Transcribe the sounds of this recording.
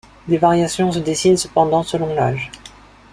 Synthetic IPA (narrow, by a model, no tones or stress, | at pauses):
d̪evaʁjasjɔ̃s̬əd̪esinsəpɑ̃d̪ɑ̃səlɔ̃la̰ːʒ